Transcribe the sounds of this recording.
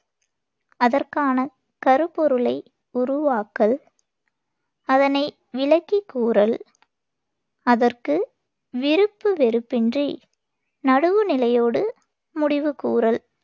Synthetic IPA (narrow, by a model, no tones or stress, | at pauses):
ɐðɐrkaːnɐ | kɐɾɯpɔɾɯlɐɪ | ʊɾʊʋaːkːɐl | ɐðɐnɐɪ | ʋɪɭɐkːikːuːɾɐl | ɐðɐrkɯ | ʋɪɾɯpːɯʋɛɾɯpːɪndri | nɐɽɯʋɯnɪlɐjoːɽɯ | mʊɽɪʋɯkːuːrɐl